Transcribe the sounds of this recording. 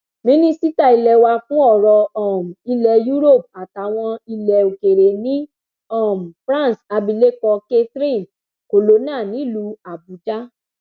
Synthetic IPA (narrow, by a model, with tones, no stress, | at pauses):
mĩ˦nĩ˦si˦ta˦˨i˧lɛ˨wa˧fũ˦ɔ˦˨ɾɔ˧ɔ˨m̩˨i˧lɛ˨ju˦ɾo˦˨p̚a˨ta˨˦w̃ɔ̃˧i˧lɛ˨o˨ke˨ɾe˨nĩ˦ | ɔ˦˨m˨fɾã˦˨sa˧bi˧le˦kɔ˧ke˦tɾi˦˨n | ko˨lo˨˦nã˦˨nĩ˨˦lu˧˦a˨bu˨˦d͡ʒa˦